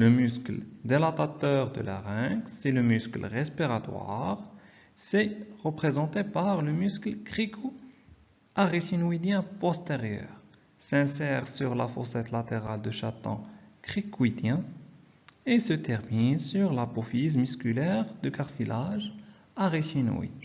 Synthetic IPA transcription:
ləmyskld̪elat̪at̪œʁd̪ə̰lʔa̰ʁɛ̃ksɛləmysklʁɛspiʁat̪wa̰ʁ | sɛʁəpχezɑ̃t̪epaʁləmysklkχikʰo | ʔaʁiʃinwid̪jɛ̃pɔst̪eʁjœ̰ʁ | sɛ̃sɛʁsyʁlafɔ̰sɛt̪lat̪eʁald̪əʃat̪ɑ̰̃kχikwid̪jɛ̃ | esət̪ɛʁminsyʁlapofizmyskylɛʁd̪əkaʁsilaʒ | aʁiʃin̰ḭ

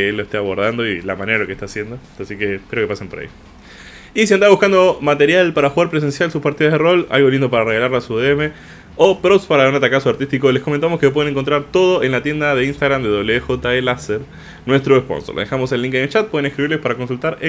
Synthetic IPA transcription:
elːoest̪eaβo̞ɾðand̪o̞ilamaneɾalo̞kest̪asje̞nd̪o | asike̞pjeoke̞pasempo̞ɾa̰ḭ | isiand̪aβuxkand̪o̞mat̪e̞ɾjalpaɾaxuɣaɾpɾe̞s̬e̞nsjalsuspaɾt̪iðazðero̞la̰lɣo̞lind̪opaɾareɣalaɾlasuðeeme̞ | opɾospaɾaunat̪akasoaɾt̪ist̪ikole̞skoment̪amoskep̬we̞ðneŋkont̪ɾaɾt̪o̞ð̞o̞ʔe̞nlat̪je̞nd̪aðe̞inst̪aɣɾamd̪eðo̞βleexot̪aelaseɾ | nwe̞st̪ɾoespo̞̰nsoɾ̰examo̞selːiŋkinet͡ʃat̪̚pwe̞ðenekɾiβiɾlespaɾako̞nsult̪aɾe

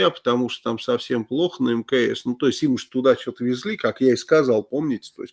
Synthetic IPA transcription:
apə̥t̪ɐmuʂt̪o̥t̪amsɐfsʲe̞mplˠo̞xənəɛmkəḛsnut̪o̞ɪsʲtʲimɨʐt̪ʊd̪at͡ɕot̪əvʲɪzʲlʲikakjaɪskazɑlˠpo̞mnʲɪtʲɪ̥t̪oɪsʲ

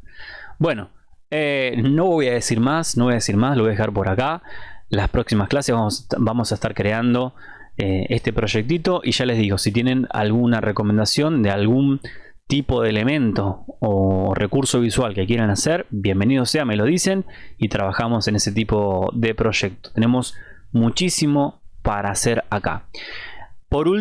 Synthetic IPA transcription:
bwe̞no̞eno̞βo̞jaðesiɾmasno̞βo̞jaðesiɾmasloo̞jaexɣaɾpo̞ɾakalaspɾo̞ksimasklaseβasbamo̞saest̪aɾkɾe̞and̪o̞ | eest̪e̞pɾo̞ʒek̚t̪it̪o̞ʔiʒale̞zðiɣo̞sit̪jenẽ̞na̰lɣunarʔeko̞mend̪asjo̞nd̪ealɣun | t̪ipo̞ðele̞mẽ̞nt̪o̞ː | rekuɾso̞β̞iswalke̞kje̞ɾe̞naseɾbje̞mbe̞nið̞o̞seame̞lo̞ð̞ise̞nit̪ɾaβaxamo̞se̞ne̞se̞t̪ipo̞ðe̞pɾo̞ʒe̞k̚t̪o̥t̪e̞ne̞mo̞smut͡ʃisimo̞paɾaːseɾaka̰ | po̞ɾul

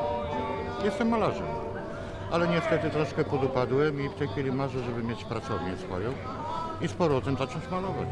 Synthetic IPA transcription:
jɛst̪ɛmːalaʐɛ̰m | ʔalɛɲɛst̪ɛt̪ɘt̪ɾaʂkɛpɔd̪upad̪wɛmift̪ɛjxfʲilʲimaʐɛʐɛbɘmʲjet͡ɕpɾat̪sɔvɲɛsfɔ̰jɔ̃w̃ | ispɔɾɔɔt̪ɛmzat͡ʂɔ̃w̃t͡ɕmalɔvat͡ɕ

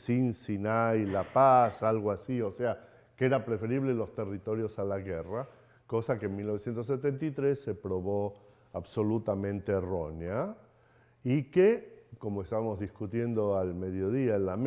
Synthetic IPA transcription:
sinsinajlapasalɣ̞oasiosea | keeɾapɾefe̞ɾiβ̞lelo̞st̪e̞rit̪o̞ɾjo̞salaɣera | ko̞sakeenmilnoesje̞nt̪os̬ːet̪ent̪it̪ɾesːepɾo̞βo | aβso̞lut̪amẽ̞nt̪eːro̞nea | ikeko̞moest̪aβamo̞zðiskut̪je̞nd̪o̞alme̞ðjo̞ð̞iaelːam

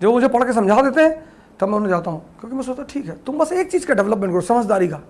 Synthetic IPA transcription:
d͡ʒɐbmʊd͡ʒʱepɐɽkes̬ɐ̃md͡ʒʱaːd̪eːt̪eɦɛ̃ː | t̪ɐmɛ̃ʊnd͡ʒaːt̪aːɦũːkjõːkimɛ̃ːsoːt͡ʃt̪aʈʰiːkɦɛːt̪ʊmbɐseːk̚t͡ʃiːzkaɖɛʋləpmẽːɳʈkɾosɐməd͡ʒd̪aːɾikaː

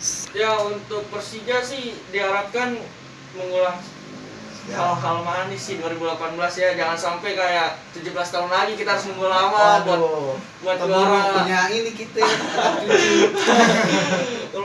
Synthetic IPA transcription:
jaunt̪ʊk̚pərsid͡ʒasɪhdiɦaɾap̚kan | məŋulaŋ | aaɦalmaɦːnɪsɪhduaɾibulapanbəlasjad͡ʒaŋansampajkajaʔt̪ud͡ʒubəlast̪aɦunlaɡikit̪aɦaɾʊsməŋulawabuat̪ | buat̪̚ɡaɾaɲaŋinikit̪e

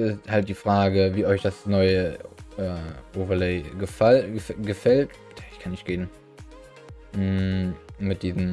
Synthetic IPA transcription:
ɪsthalt̚d̥iːfʁ̥aːɡəviːʔɔɪçd̥asnɔʏəʔɛːʔoːvɐleɪɡəfɡəfɛlt | jaɪçkʰanːɪçtɡ̥eːn | mɪt̚d̥iːzm̩

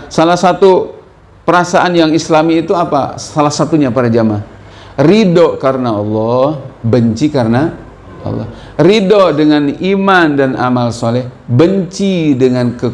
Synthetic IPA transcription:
salahsat̪u | pəɾasaʔanjaŋislamiːt̪uapa̰salahsat̪uɲapadad͡ʒaman | ridoʔkaɾənaɔlːɔhbəɲt͡ʃikaɾəna | ɔ̰lːɔ̰ | ridoʔdəŋanimandana̰malsɔlɛhbəɲt͡ʃidəŋankə

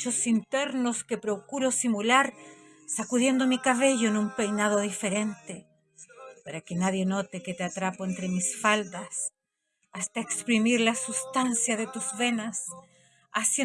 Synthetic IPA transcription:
t͡ʃosint̪e̞ɾnoske̞pɾo̞kuɾosimulaɾ | sakuðje̞nd̪omikaβ̞e̞ʝoenumpe̞jnaðo̞ðife̞ɾe̞nt̪e | peɾokenaðje̞not̪eket̪eat̪ɾapoent̪ɾe̞misfald̪as | ast̪aekspɾimiɾlasust̪ansjaðet̪uzβe̞nas | asje

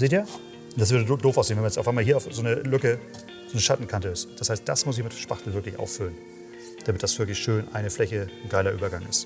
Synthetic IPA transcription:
zeːtiːɐ | ʊnd̥asv̥ʏɐɾədoːfaʊsz̥eːnvɛnmnjɛt͡sʔaʊfaɪmaːlɦiːɐʊfzoːnəlʏkə | z̥oːnəʃatn̩kʰantəɪsd̥ashaɪst̚d̥asmʊs̬ɪçmɪtʃpaχtl̩vɪɐklɪçʔa̰ʊffʏlən | d̥amɪt̚d̥asv̥ɪɐk̬lɪçʃøːnʔa̰ɪnəflɛçənɡaɪlɐʔyːbɐɡaŋʔɪst

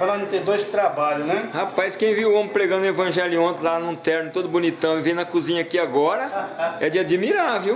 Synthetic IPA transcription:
ɔɾõnɪ̃t̪ẽd̪ojzd͡ʒɪt̪ɾabaʎʊnɛhapajskẽj̃viõmɪ̃pɾeɡɐ̃nd̪ʊevɐ̃ʒɛliõnt̪lanũt̪ɛɾnʊt̪od̪ʊbunit̪ɐ̃w̃ɪvẽj̃nɐkuzĩɲɐkiaɡɔɾɐɛd͡ʒɪad͡ʒimiɾaviw

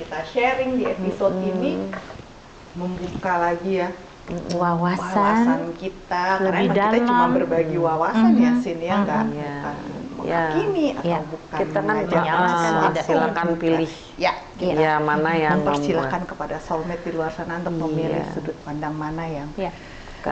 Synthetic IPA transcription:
kit̪aʃeɾɪŋdiepisodini | məmbukalaɡija | wawawsawasnankit̪akləabɪhadak̪alt͡ʃuamabərbaɡiwawasanjasinjaɡabaua̰nmə̰jakiniaabukait̪aŋad͡ʒaaaadsilakanpilɪh | ja | ajamanajaməmpərsilakankəpadasɔlmɛt̪̚diluarsanant̪k̚məmilɪ̰hudʊt̪̚pandaŋmanajaŋa | ka

